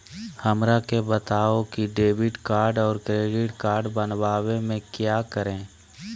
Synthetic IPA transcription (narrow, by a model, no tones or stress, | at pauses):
həmɾakebət̪aːokiɖeːbɪʈkaːɾɖɔːɾkɾeːɖɪʈkaːɾɖbənʋaːwemẽkjaːkəɾẽː